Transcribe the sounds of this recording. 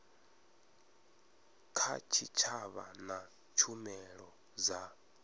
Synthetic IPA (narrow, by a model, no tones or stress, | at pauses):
kʰat͡ʃʰit͡ʃʰaβa̰na | t͡ʃʰumɛɺɔ | za